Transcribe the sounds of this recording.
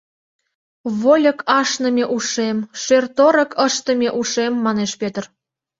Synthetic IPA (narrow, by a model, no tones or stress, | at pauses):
βolʲə̆kɑʃnə̆mʲeʔuʃemʃørt̪oɾə̆kʰəʃt̪ə̆mʲeʔuʃemːɑneʃpʲøt̪ər